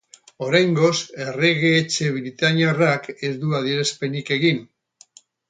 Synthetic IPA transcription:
o̞ɾajŋɡo̞se̞re̞ɣeːt͡ʃe̞βɾit̪aɲarake̞zd̪uaðieɾaspe̞nike̞ɣin

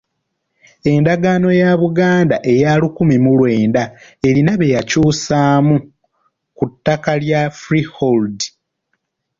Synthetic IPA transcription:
e̞ndaɡaːno̞jaβuɡaːndaʔe̞jalukumimulwe̞ːndae̞linaβe̞jacuːsaːmu | kutːakaljafɾiholdi

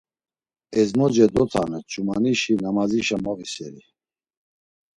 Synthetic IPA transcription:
ɛzmɔd͡ʒɛd̪ɔt̪ʰanɛt͡ʃʰumaniʃinamaziʃamɔvisɛɾi

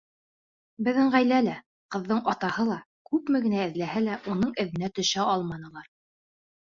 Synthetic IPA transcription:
bɘ̆ðɘɴʁæjlælæ | qɤ̆ðːɤɴɑt̪ɑhɤlˠɑ | kʉpmɘ̆ɡɘ̆næɘ̆ðlæhælæʔun̪ɤɴɘ̆ðɘ̆næt̪ɵ̆ʃæɑlˠmɑnɤ̆lˠɑɾ

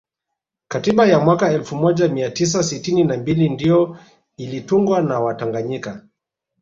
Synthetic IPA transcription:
katiɓajamwakaɛlfumɔʄamiatis̬asitininambilindijɔ | ilituŋɡwanawataŋɡaɲika

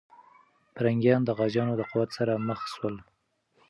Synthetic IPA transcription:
pəɾaŋɡjɑnd̪əɣɑd͡ʒɑnod̪əqʊwat̪saɾaməxswəl

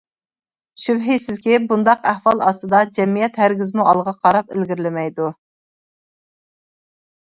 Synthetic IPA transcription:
ʃybɦɪsɪzkʲibund̪ɑqæhwɑlˠɑst̪ɨd̪ɑd͡ʒɛmːijɛt̪hæɾɡʲɪzmuʔɑlˠʁɑqʰɑɾɑpɪlɡʲɪɾlɪmɛjd̪u

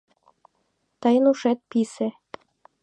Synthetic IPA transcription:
t̪ɤjənuʃet̪̚pisĕ

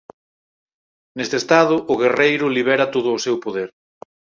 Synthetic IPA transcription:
nest̪est̪aðʊʔʊɣerejɾʊliβ̞ɛɾɐt̪oð̞ʊːsewpoðeɾ

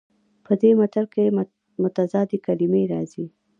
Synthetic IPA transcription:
pəd̪emat̪aɾke | mʊt̪azɑd̪ekalimeɾɑzi

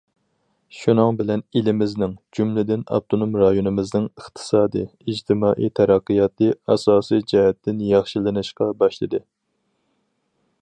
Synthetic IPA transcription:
ʃunɨŋbɪlɛnilɪmɪznɪŋd͡ʒumlɪd̪ɪnɑ̰b̚t̪ʰonumɾɑjonɨmɨznɨŋəχt̪ʰɨ̥sɑːd̪ɨid͡ʒt̪ʰɪmɑːʔit̪ʰɛɾæqːɨjɑt̪ɨɑsɑːsijd͡ʒɛɦɛt̪ʰːɪnjɑχʃilɨnɨʃqɑbɑʃlˠɨd̪ɨ

